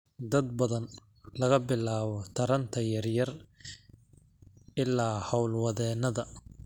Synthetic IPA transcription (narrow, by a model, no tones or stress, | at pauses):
d̪ɐd̪̚bɐðɐn | lɐɣɐbɪlaːβɔt̪ʰɐɾɐnt̪ʰɐjɐrjɐr | ɪlːaːhɑwlwɑðɛːnɐðɐ